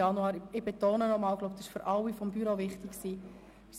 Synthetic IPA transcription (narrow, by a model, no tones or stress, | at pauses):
ɑnuɑːɾɪb̥etoːnənɔmɑːlɡ̥lob̚tɑsɪʃføɾʔɑlwifɔmbyɾovɪχtɪksiː